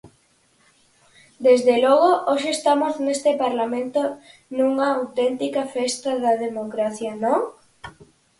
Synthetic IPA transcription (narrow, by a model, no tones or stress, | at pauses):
d̪ezðelɔɣ̞oʔoʃeːst̪amoznest̪ɪpaɾlamẽnt̪onuŋɐawt̪ɛnt̪ikɐfest̪ɐðɐðemokɾaθjɐnõŋ